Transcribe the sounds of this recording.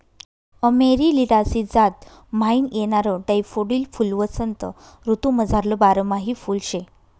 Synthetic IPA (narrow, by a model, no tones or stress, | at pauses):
əmeɾiliɽasid͡zat̪ | mainjeɽ̃aɾəɖajfoɽiːlfulʋət͡sənt̪ə̰ | ɾut̪ũməd͡zʱaɾləbaɾəmaɦifulɕe